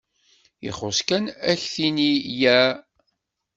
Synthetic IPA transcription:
jḭχoskænæçθinijæ

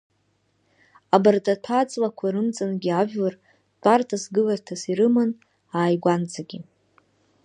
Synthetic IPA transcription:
abartʼatʰat͡sʼlakʷʰaɾɨmt͡sʼɨnɡʲiaʒᶣlar | tʼartʰasɡɨlartʰasiɾɨmɨn | aːjɡʷant͡sʰʼaɡʲi

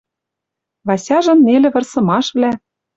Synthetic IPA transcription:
βɑsʲɑʒɤ̆nːelʲɘ̆βɤ̆rsɤ̆mɑʃβlæ

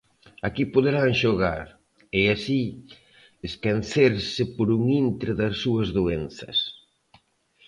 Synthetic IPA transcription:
akipoðeɾaŋʃoɣa̰ɾ | easi | eskanθeɾsɪpoɾuŋint̪ɾeðɐsːuɐzðuen̟θɐ̰s

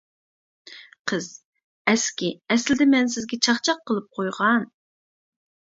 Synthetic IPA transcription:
qʰəz̥ | ɛskʲiɛslɪd̪ɪmɛns̬ɪzɡʲɛt͡ʃʰɑχt͡ʃʰɑqʰːəlˠɨp̚qʰojʁɑn

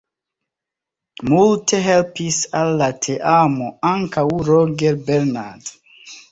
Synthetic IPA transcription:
multʰe̞ɦelpisalːatʰeʔamoaŋkawɾoɡeɾbeɾnad

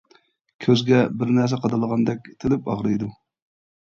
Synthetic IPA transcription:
kʲʰøzɡʲɛbɪɾnæɾs̬ɛqʰɑd̪ɑlˠəʁɑnd̪ɛk̚ʲt̪ʰɪlɪpɑʁɾɨjd̪u

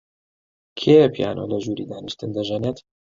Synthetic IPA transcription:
kʰepʰija̰ːnʔoːlɐʒuːɾid̪aːnɨʃt̪ɨnd̪ɐʒɛnet̪

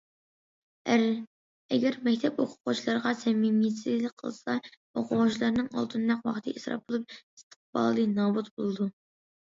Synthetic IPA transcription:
ɾ | ɛ̰ɡʲɛɾmɛkʲt̪ʰɛpoqʰʊ̥qut͡ʃʰilˠɑɾʁɑsɛmimijesʰizlɪk̚ʲqʰə̰lˠsɑ | oqʰʊʁʊt͡ʃʰilˠɑɾnɨŋɑ̰lˠt̪ʰɨnmɛqwɑ̰χt̪ʰɨʔisɾɑ̰p̚olˠup̚i̥st̪ʰə̥q̚bɑ̰ːlˠːɨnɑːbut̪bolˠɨd̪u

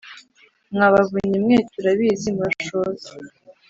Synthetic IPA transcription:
mŋaβaβuɲimŋeːtuɾaβizimaʃoːz

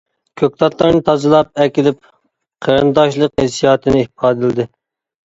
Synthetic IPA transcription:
kʲʰøk̚ʲt̪ɑt̪ʰlˠɑɾnɨt̪ʰɑzɨlˠɑp̚ɛkʲilɪp̚ | qʰəɾɨnd̪ɑʃlˠəqhesijɑːt̪ʰɨnɪihpʰɑːd̪ɨlɪd̪ɪ

